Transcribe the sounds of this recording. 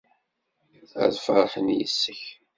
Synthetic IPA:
æ̰ðfəɾˤħənjə̰sːəç

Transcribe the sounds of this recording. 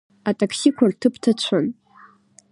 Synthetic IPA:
atʼakʰsikʷʰartʰɨpʰtʰat͡ɕʷʰan

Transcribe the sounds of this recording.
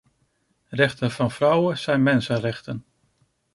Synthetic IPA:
rɛχtənvɑnvrɑwənz̥ɛjnmɛnsənrɛχtən

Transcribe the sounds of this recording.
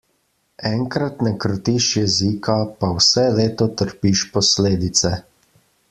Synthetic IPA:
ɛŋkɾat̪nɛkɾɔt̪iʃjɛzikʰapawsɛleːt̪ɔt̪əɾpiʃpɔsleːd̪it̪sɛ

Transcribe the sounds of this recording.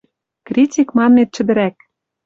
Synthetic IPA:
krʲitʲikmɑnːet̪̚t͡ɕɘ̆d̪ɘ̆ɾæk̚

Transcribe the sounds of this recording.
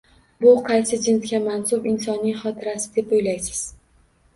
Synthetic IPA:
bʊqʰɑjsɪd͡ʒɪnt̪kʲamansʊbɪnsɒnːɪŋχɒt̪ʰɪɾasɪd̪e̞pojlajsɪ̥z̥

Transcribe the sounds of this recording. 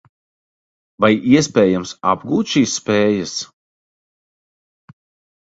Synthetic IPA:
vajiɛs̬pɛːjamsa̰bɡuːt̪ʃiːsːpeːjɐs

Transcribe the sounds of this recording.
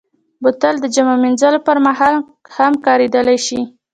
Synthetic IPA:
bʊt̪əld̪əd͡ʒamaminzalopəɾmaɦɑl | hamkɑɾed̪əlajʃi

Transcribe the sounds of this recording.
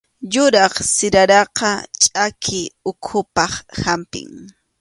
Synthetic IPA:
jʊɾɑχsɪɾaɾɑqɑt͡ʃʼakʰɪʊkʰʊpɑχhampɪ̰ŋ

